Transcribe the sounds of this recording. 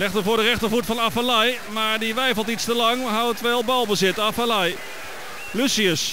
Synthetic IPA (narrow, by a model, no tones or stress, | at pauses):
ɛxtəvʊːɹdərɛχtəɹvutfɑnafalɛjmaːɹdiʋɛjfəlˠtitstəlɑŋɦawtʋɛlˠbɑlˠbəzɪtafalɛj | lysiəs